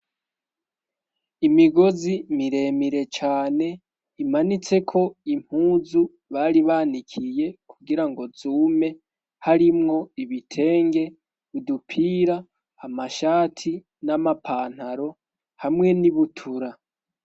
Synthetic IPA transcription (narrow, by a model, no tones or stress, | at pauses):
imiɡo̞zimiɾe̞miɾe̞t͡ʃaːne̞ | imanit͡se̞kʰo̞im̥huːzu | βaɾiβaːnikʰije̞kʰuɡiɾaŋɡo̞zuːme̞ | haɾimŋo̞iβitʰe̞ːŋɡe̞ | βudupʰiːɾaː | maʃaːtʰi | namapʰaːn̥haɾo̞ | hamŋe̞niβutʰuɾa